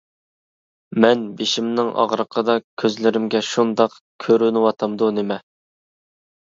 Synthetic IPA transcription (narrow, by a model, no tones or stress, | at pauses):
mɛnbeʃimnɪŋʔɑ̰ʁɾəqʰəd̪ɑkʲʰøzlɪɾɪmɡʲɛʃund̪ɑq | kʲʰøɾynɪwɑt̪ʰɑmd̪unɪmɛ